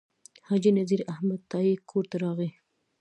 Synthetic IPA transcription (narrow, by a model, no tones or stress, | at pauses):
hɑd͡ʒinaziɾahmad̪̚t̪ɑikʰoɾt̪aɾɑɣi